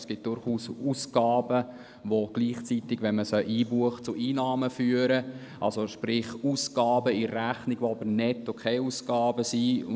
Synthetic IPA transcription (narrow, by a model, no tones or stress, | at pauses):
sɡ̥ɪt̚d̥ʊɾχuːsuːsɡ̥ɑːbə | ʋoɡ̥liːχt͡sit̪ɪɡ̥ʋɛnməsœʔiːbuəχt͡sʊʔiːnɑːməfyːəɾə | ʔɑ̰lsoʃpɾɪχusɡ̥ɑːbəirræχnɪɡʋoɑbərnɛtːokʰeːusɡ̥ɑːbəsi